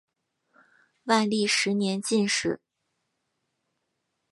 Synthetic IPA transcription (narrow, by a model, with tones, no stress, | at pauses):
wa˥˧ɪli˥˩ʂɻ̩˧˥njɛ˧˥nt͡ɕi˥˧nʂɻ̩˥˩